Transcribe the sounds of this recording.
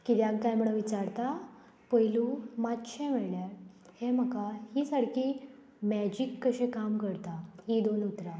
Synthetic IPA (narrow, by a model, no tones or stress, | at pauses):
kit̪jaɡkajm̤əɽʋit͡ɕaɾt̪a | pəjlumat̪ɕẽmeɭɳjaɾ | hem̤əkahiːsaɽki | mæd͡ʑikːəɕẽkamkəɽt̪aɦid̪onut̪ɾa